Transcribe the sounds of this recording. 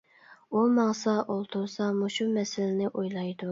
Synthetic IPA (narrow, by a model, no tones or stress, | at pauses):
ulˠmɑŋsɑʔolˠt̪ʰuɾsɑmuʃumɛsɪlɪnɪʔojlˠɑjd̪u